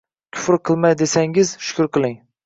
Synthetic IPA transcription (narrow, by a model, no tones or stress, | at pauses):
kʲʰʊ̥fɾqʰɨlˠmajd̪esaŋɪzʃʊ̥kʰʲʊɾqʰɨlˠɪŋ